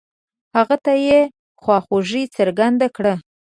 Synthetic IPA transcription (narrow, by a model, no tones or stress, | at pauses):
haɣat̪aje | xwɑxoʐit͡səɾɡand̪akɽə